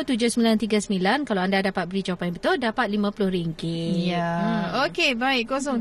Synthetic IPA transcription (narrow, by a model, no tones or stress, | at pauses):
t̪ud͡ʒʊsəmilant̪iɡasəmilankalaandadapat̪̚bəɾit͡ʃopajnmbət̪ʊldapat̪̚limãpulʊhɾiŋkɪjaokebaɪkos̬ɔŋ